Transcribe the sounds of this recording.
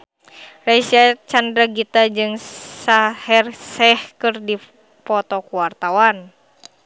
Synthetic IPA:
rasiat͡ʃandɾaɡit̪ad͡ʒɨŋsahɛrsɛhkɨrdi | pɔt̪ɔkuwart̪awan

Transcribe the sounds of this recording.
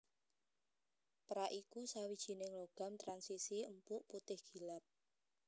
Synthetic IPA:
pɾaʔikusawid̥ʒ̥i̤nɪŋloɡ̥a̤mt̪ɾansisiəmpʊʔput̪ɪhɡ̥i̤lap̚

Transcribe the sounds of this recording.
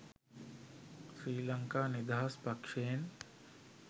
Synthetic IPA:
sɾiːlɐŋkaːnid̪aːɦaspɐkʂejn

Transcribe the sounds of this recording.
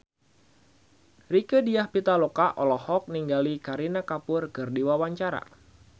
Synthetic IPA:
rikədiahpit̪alokaʔɔlɔhɔk̚niŋɡalikaɾinakapʊrkɨrdiwawaɲt͡ʃaɾa̰

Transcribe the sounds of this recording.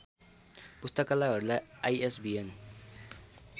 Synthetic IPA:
pust̪ʌkalaɦʌɾulajajesbien

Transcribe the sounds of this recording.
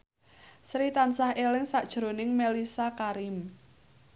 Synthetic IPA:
sɾit̪ansahelɪŋsaʔd̥ʒ̥ɾo̤nɪŋmelisakaɾɪm

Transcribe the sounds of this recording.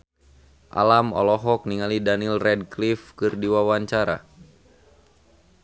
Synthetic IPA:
ʔa̰lamɔ̰lɔɦɔk̚niŋalidanilrɛd̚klifkɨrdiwawaɲt͡ʃaɾa̰

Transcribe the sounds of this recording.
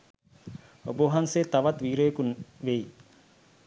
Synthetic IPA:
oboʋɦanseːt̪aʋɐt̪ʋiːɾeːkunʋei

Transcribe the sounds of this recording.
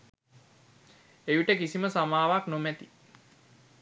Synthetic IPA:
ejuʈəkisiməsamaːʋaknomæt̪i

